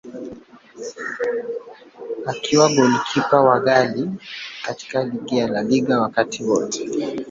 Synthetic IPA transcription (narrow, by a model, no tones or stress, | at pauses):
akʰiwaɡɔlikʰipawaɣalikati̥kaliɡialaliɠawakatiwɔtɛ̥